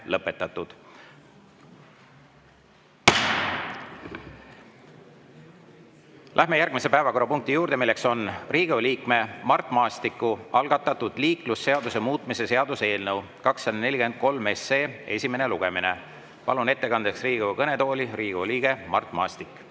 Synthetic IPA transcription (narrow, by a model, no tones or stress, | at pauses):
lɤpːe̞t̪ːˑɑt̪ːˑud̪̥ | lʔæhme̞jærɡ̥mise̞pæevɑko̞ɾɑpuŋk̚t̪ijuːɾd̪̥e̞milːe̞kso̞nriːɡ̥ewliːkme̞mɑrt̪ːˑmɑːst̪ikːˑuɑlɡ̥ɑt̪ːˑɑt̪ːud̪̥liːklusːe̞ɑd̪̥use̞muːt̪ˑmise̞se̞ɑd̪̥use̞ːlnɤw | kɑksːɑd̪ɑne̞lʲikend̪̥̚ko̞lme̞seːe̞̰sʲime̞ne̞luɡ̥e̞mine̞ | pɑ̰lune̞t̪ːe̞kɑnd̪̥eksriːɡ̥ekɤne̞t̪oːlʲiriːɡ̥liːɡ̥e̞mɑrt̪ːˑmɑːst̪ikːˑ